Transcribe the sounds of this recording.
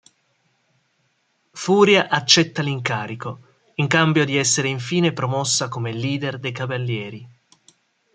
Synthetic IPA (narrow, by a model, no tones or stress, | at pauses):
fuːɾjaʔat͡ʃːɛt̪ːaliŋkaːɾiko | iŋkambjod̪iɛsːeɾeiɱfiːnepɾomɔsːakomeliːd̪erd̪ejkavalːjɛːɾi